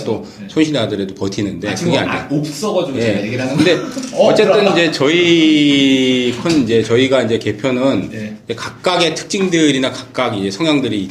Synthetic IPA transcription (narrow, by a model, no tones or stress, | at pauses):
t͈o | sʰonɕʰinadɯɾedopʌtʰinɯnde̞kɯɡea̰ɲa̰op̚s͈ʌɡʌd͡ʑojeɡiakɯnde̞ʌt͡ɕ͈e̞ɯnid͡ʑe̞t͡ɕʌi | kʰʌnid͡ʑe̞t͡ɕʌiɡaid͡ʑe̞ke̞pʰjonɯnid͡ʑe̞kak̚k͈aɡe̞tʰɯ̥k̚t͡ɕ͈iŋdɯɾinakak̚k͈aɡid͡ʑe̞sʰʌŋjaŋdɯɾiː